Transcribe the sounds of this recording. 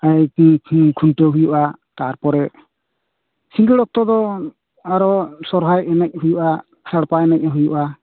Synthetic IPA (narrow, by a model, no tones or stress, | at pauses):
aj | kʰuntɔɦujuʔat̪aɾpɔɾɛ | siŋɡiɽɔk̚t̪ɔd̪ɔ | aɾɔsɔɾɦajɛnɛc̚hujuʔa | kʰɾaɽpaɛnɛc̚aɦujuʔa